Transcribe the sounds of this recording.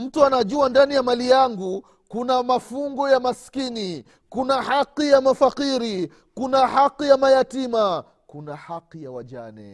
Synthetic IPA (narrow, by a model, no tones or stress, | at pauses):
m̩tuanaʄuandanijamalijaŋɡu | kunamafuŋɡɔjamaskini | kunahaqːijamafaqiɾi | kunahaqːijamajatima | kunahaqijawaʄa̰nɛ̰